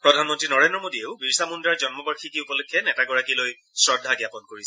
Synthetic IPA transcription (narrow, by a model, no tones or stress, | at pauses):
pɹɔdʱanmɔntɹinɔɹendɹɔmodieʊbiɹsamundaɹd͡ʒɔnmɔbaɹxʰikiupɔlokʰːjɛnɛtaɡɔɹakiloj | sɹɔdʱaɡjapɔnkoɹis